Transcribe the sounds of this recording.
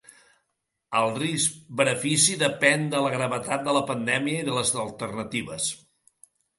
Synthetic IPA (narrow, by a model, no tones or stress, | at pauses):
əlˠriskbənəfisiðəpɛnd̪ələɣɾəβət̪at̪̚d̪ələpənd̪ɛmiəiðələzəlˠt̪ərnət̪iβəs